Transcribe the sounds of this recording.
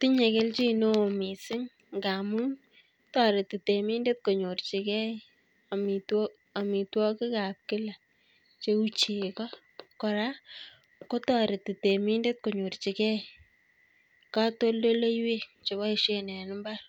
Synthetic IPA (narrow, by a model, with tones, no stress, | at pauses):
ti˦ɲe˨ke˦lt͡ʃi˦no˦˨mi˨sɪ˦ŋ | ɡa˨mu˦n | tɔ˨ɾɪ˨ti˨te˨mi˦nde˦t̚ko˨ɲo˨rt͡ʃi˨kɛ˦ | a˨mi˨t | a˨mi˨twɔ˦kɪ˦ka˨p̚kɪ˦la˨ | t͡ʃe˦u˦t͡ʃe˨kɔ˦ | kɔ˨ɾa˦ | ko˦tɔ˦˨ɾɪ˨ti˨te˨mi˦nde˦t̚ko˨ɲo˨rt͡ʃi˨kɛ˦ | ka˦to˦ldo˦le˦jwe˦t͡ʃo˨ba˦e˨ʃe˦nɛ˨nɪ˦mba˦